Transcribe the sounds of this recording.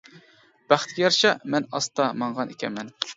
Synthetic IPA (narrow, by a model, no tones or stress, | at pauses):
b̥æχt̪kʲɛjɑɾʃɑmɛnɑst̪ɑmɑɴʁɑnekʲʰɛ̰mɛn